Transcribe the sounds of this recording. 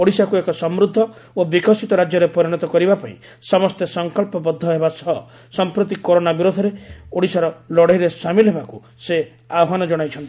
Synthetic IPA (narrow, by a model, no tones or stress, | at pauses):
oɽisakuekɔsɔmɾud̪ʱːɔ | obikɔsit̪ɔɾad͡ʒjɔɾepɔɾiɽ̃ɔt̪ɔkɔɾibapaḭ̃ | sɔmɔst̪esɔŋkɔlpɔbɔd̪ʱːɔɦebasɔ | sɔmpɾot̪̬ikoɾonabiɾud̪ʱɔɾeoɽisaɾɔlɔɽaijɾesamilɔɦebaku | se | aɔɦanɔd͡ʒɔɽ̃ajt͡ʃʰɔnt̪i